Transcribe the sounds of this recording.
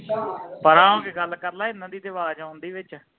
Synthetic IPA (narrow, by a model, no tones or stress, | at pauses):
pəɾãːõːkeɡəlkəɾlaːɪnːãːd̪iːd̪eʋaːd͡ʒãːʊ̃nd̪iːʋɪt͡ʃ